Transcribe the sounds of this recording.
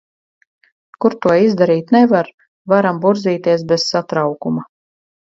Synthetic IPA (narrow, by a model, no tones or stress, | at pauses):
kuɾt̪uɔizd̪aɾiːt̪nɛvaɾ | vaɾambuɾziːt̪iɛs̬bɛz̥sat̪ɾawkuma